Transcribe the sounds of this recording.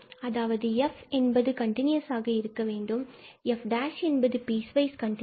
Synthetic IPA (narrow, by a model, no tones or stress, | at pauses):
ɐðaːʋɐðɯɛfɛnbɐðɯkɐɳʈɪnjɐsaːɣɐɪɾɯkːɐʋeːɳɖɯmɛfɖaːʂɛnbɐðɯpiːsʋɐɪskɐɳʈɪ